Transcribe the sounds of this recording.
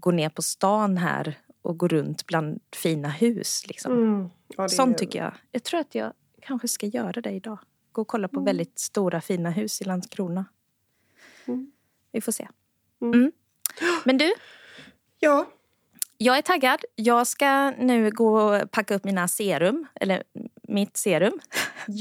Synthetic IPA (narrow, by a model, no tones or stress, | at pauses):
ɡoːɳeːɾpʰɔst̪ɑːnɦæ̰ːɾʔɔɡoːɾɵnt̪bland̪fiːnahʉ̟ːslɪ̰ksɔ̰m | sɔnt̪ʰːʏkːə̰jɑ̰jɑɡt̪ʰɾuːɾat̪jɑ̰ːɡ | kʰanɧəskajœːɾad̪ɛɪd̪ɑː | ɡ̥oːɔkʰɔlːapʰɔvɛld̪ɪt̪st̪uːɾafiːnaɦʉ̟ːsɪlanskʰɾuːna | vɪfoːʂḛː | m̩ː | mɛnd̪ɵ | jɑː | jɑːɡæʈʰaɡːad̪jɑːɡskanʉ̟ːɡoːɔpʰakːaɵpːmiːnaseːɾɵmʔɛ̰lːə̰ɾmɪt̪seːɾɵm